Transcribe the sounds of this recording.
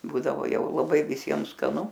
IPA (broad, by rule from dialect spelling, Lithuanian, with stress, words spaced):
ˈbuːdɐʋoː ˈjɛʊ lˠɐˈbɐɪ ʋʲɪˈsʲiɛm skɐˈnʊ